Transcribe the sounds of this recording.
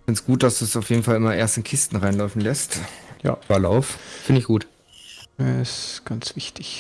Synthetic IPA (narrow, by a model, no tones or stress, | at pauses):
fɪntsɡ̥uːt̚d̥asd̥uːsaʊfjeːdn̩falɪmɐʔeːɐstɪnkʰɪstn̩ʁaɪnlɔʏfn̩lɛstja̰ːɐlaʊffɪndɪçɡ̥uːtː | ɪsɡ̥ant͡sv̥ɪçtɪç